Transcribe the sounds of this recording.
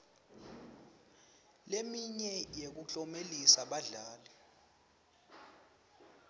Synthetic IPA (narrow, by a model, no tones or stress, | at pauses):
lemiɲɛjek̬ut͡ɬʼɔmelisaɓaɮaːlɛ